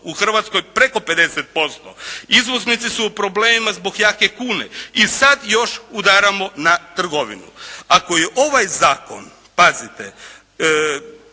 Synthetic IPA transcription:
uxr̩ʋat̪sko̞jpɾe̞ko̞pe̞d̪e̞set̪̚po̞st̪o̰izʋo̞znit̪sisuːpɾo̞bleːmimazbo̞ɡjake̞kuːnḛisad̪jo̞ʃud̪aɾamo̞nat̪r̩ɡo̞ʋḭnṵako̞jeʔo̞ʋajzaːko̞̰n | pazit̪ḛ

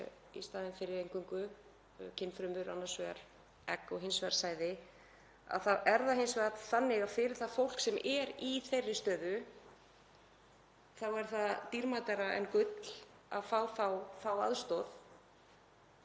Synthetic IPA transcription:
ḭst̪aːðɪmfɪɾɪɾejŋkʏŋkʏ | cʰɪnːfɾʏmʏɾanːasvɛɾ̥ | ɛ̰kːɔɣɦɪnsvɛɾt̪saːjðɪ | a̰ðθaðɛɾðahɪnsvɛɾt̪θanːɪɣafɪɾɪɾ̥θaðfowl̥ksɛmʔɛɾiθejrːɪ̥st̪œːðʏ | θawɛɾ̥θaðt̪iɾmat̪aɾaʔɛ̰nkʏt̪l̥ | a̰ðfaːwθawθawa̰ðst̪ɔð

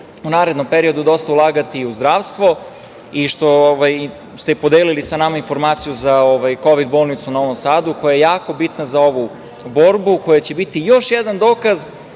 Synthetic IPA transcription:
unaːɾed̪no̞mpeɾio̞d̪ud̪o̞st̪aulˠaːɡat̪iuzd̪ɾaːʋst̪ʋo̞ | iʃt̪o̞oʋaj | st̪epo̞d̪eːlilisanamainfo̞ɾmaːt̪sijuzaoʋajko̞ʋid̪̚bo̞ːlˠnit̪sunaoʋo̞msaːd̪uko̞jajejaːko̞bit̪nazao̞ʋu | bo̞ɾbuko̞jat͡ɕe̞bit̪ijo̞ʃjed̪and̪o̞ːkaz

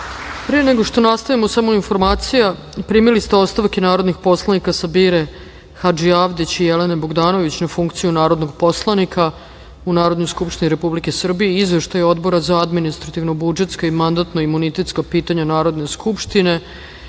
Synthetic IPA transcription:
pɾieeneɡo̞ʃt̪o̞nast̪aʋimosamo̞info̞ɾmaːt̪sija | pɾiːmilist̪eo̞st̪aʋke̞naːɾo̞d̪nixpo̞slˠanikasabiːɾe | xad͡ʒiaʋd̪it͡ɕijeleneboɡd̪aːno̞ʋit͡ɕnafuŋkt̪sijunaːɾod̪no̞ɡpo̞slˠanikʰa | unaːɾo̞d̪nojskupʃt̪iniɾe̞publike̞sr̩bijeizʋe̞ʃt̪ajo̞d̪bo̞ɾazaad̪minist̪ɾat̪iʋnobud͡ʒet̪skoimand̪at̪noimːunit̪e̞t̪skapiːt̪aɲanaːɾo̞d̪ne̞skʰupʃt̪ine̞

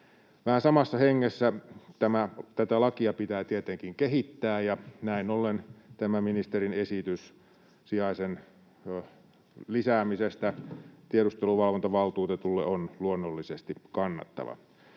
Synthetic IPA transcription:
ʋæhænsɑmɑsːɑheŋːesːæt̪æmæt̪æt̪ælɑkiɑpit̪æːt̪iet̪eŋkiŋkeɦit̪ːæːjɑnæinolːent̪æmæminist̪erinesit̪ys | siɑisen | lisæːmisest̪æt̪ieɾust̪eluʋɑlʋont̪ɑʋɑlt̪uːt̪et̪ulːeonluonːolːisest̪ikɑnːɑ̰t̪ːɑ̰ʋɑ̰

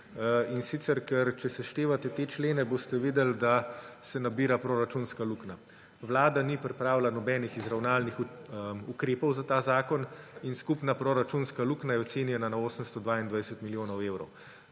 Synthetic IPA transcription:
insit̪sɛɾkɛɾt͡ʃɛsɛʃt̪eːʋat̪ɛt̪eːt͡ʃleːnɛbost̪ɛʋiːd̪ɛld̪asɛnabiːɾapɾoɾat͡ʃunskalukna | ʋlaːd̪anipɾɛpɾaːwlanɔbɛnixizɾawnaːlnixukɾeːpɔwzat̪aːzaːkɔninskupnapɾoɾat͡ʃunskaluːknajɛot̪seːnjɛnanaoːsəmst̪ɔd̪ʋaːind̪ʋajsət̪miljoːnɔweːwɾɔw

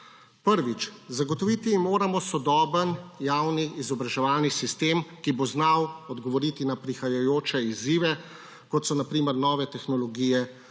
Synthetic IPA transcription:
pəɾʋit͡ʃzaɡɔt̪ɔʋit̪imoːɾamɔsɔd̪ɔːbənjawniːzɔbɾaʒɛʋaːlnisist̪eːmkiboznawɔd̪ɡɔʋɔɾit̪inapɾixajajoːt͡ʃɛiziːʋɛ | kɔt̪sɔnapɾiːməɾnɔːʋɛt̪ɛxnɔlɔɡijɛ

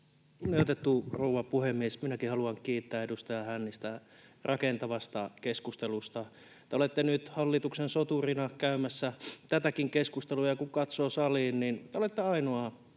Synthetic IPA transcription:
kuneijot̪et̪ːuruːʋɑpuhemːiesminækihɑluɑŋkiːt̪ːæːedust̪ɑjɑhænːist̪ærɑkent̪ɑʋɑst̪ɑkeskust̪elust̪ɑ | t̪eolet̪ːenyt̪hɑlːit̪uksensot̪urinɑkæymæsːæt̪æt̪ækiŋkeskust̪elujɑkukɑt̪soːsɑliːnnint̪eolet̪ːeɑinoɑ

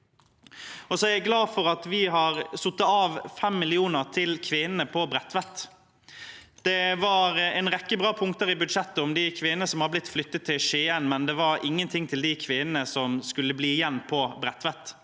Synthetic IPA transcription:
ɔsɔæɾæɪɡlɑːfɔɾɑt̪ʋɪɦɑɾsʊt̪ːəɑːʋfɛmːɪlɪuːnəʁt̪ʰɪlkʰʋɪnənəpʰɔbɾɛt̪ʋɛt̪ | d̪̥ɛʋɑːɾɛɪnʁɛkːəbʁɑːpʰʊŋkt̪əɾɪbʉd̪ʂɛt̪ːəɔmd̪ɪkʰʋɪnənəsɔmhɑblɪt̪ːflʏt̪ːət̪ʰːɪlʃeːənmɛnd̪ɛʋɑɾɪŋːənt̪ʰɪŋːt̪ʰɪld̪ɪkʰʋɪnənəsɔmskʉlːəbliːɪjɛnːpʰɔbɾɛt̪ːʋɛt̪ː

